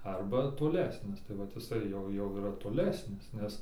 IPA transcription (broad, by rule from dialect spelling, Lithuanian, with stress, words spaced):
ˈɐrbɐ toːˈlʲæːsʲnʲɪs tɐɪ ʋɐt ɪˈsɐɪ jɛʊ ˈjɛʊ iːˈrɐ toːˈlʲæːsʲnʲɪs ˈnʲɛs